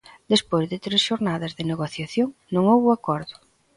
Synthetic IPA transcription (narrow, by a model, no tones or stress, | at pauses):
d̪espojzðɪt̪ɾesʃoɾnaðɐzðeneɣoθjaθjoŋnõŋowβʊakɔɾðʊ